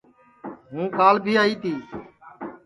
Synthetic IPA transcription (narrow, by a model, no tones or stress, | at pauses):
ɦũːkaːlbʱiːaːiːt̪ʰiː